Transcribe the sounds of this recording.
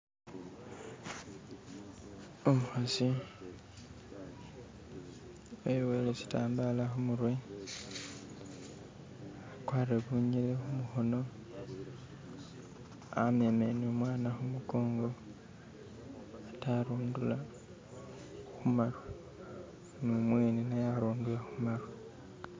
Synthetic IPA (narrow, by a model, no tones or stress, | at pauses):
omuxasi | ewelesi̥taːmbalaxumurwe̞ | akwaːreβuɲile̞xumuxo̞no̞ | ame̞menomwaːnaxumuko̞ːŋɡo̞ | ataɾuːndula | xumaru | numwe̞ːninajaɾoːndulaxumaɾo